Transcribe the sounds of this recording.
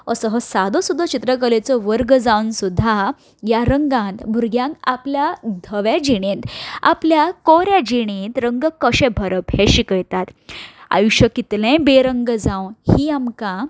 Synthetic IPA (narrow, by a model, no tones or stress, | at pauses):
əsəɦəsad̪əsud̪ʱːət͡ɕit̪ɾəkəlet͡səʋəɾɡd͡zawnsud̪ʱːa | jaɾəŋɡãnt̪bʱuɾɡjãŋkapljad̪ʱəʋjad͡ʑiɽ̃ẽnt̪a̰pljakoɾjad͡ʑiɽ̃ent̪ɾəŋɡəkəɕẽbʱəɾəphẽɕikəjt̪at̪a̰juɕəkit̪lẽbeɾəŋɡəd͡zãwhiːamkã